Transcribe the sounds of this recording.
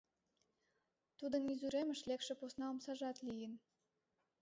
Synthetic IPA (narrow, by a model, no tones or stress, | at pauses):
t̪ud̪ənizyɾemə̆ʃlekʃĕposnɑomsɑʒɑt̪lijə̆n